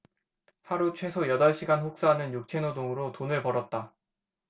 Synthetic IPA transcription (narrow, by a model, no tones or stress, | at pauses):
haɾut͡ɕʰwe̞sʰojʌdʌɭɕʰiɡanɸok̚s͈aːnɯnjuk̚t͡ɕʰenodoŋɯɾotonɯɭpʌɾʌt̚t͈a